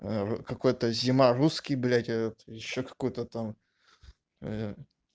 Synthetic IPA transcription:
əukɐko̞jt̪əzʲɪmaruskʲɪjblʲætʲet̪jɪɕːokɐ̥kujʊt̪ət̪am

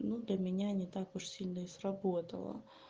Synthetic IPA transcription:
nud̪lʲɐmʲɪnʲanʲɪt̪akʊʂsʲilʲnəɪsrɐbot̪ə̰lˠə̰

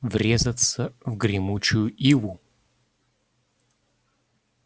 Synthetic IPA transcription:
vɾʲezɐt̪səvɡɾʲɪmut͡ɕʊjʊʔivʊ

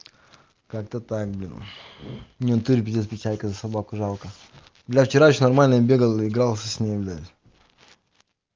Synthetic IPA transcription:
kak̚t̪ət̪ak̚blʲin | mnʲent̪uɾʲp̬ʲɪd̪ʲit̪s̬pʲɪt͡ɕalʲkəzəsɐbakʊʐalˠkə | blʲaft͡ɕɪɾaɕnɐrmalʲnəəbʲeɡəlˠɨɪɡɾalˠsʲəsʲnʲejblʲazʲ

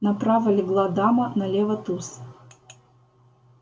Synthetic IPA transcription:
nɐpɾavɐlʲɪɡlˠad̪amɐnɐlʲɛvɐt̪us

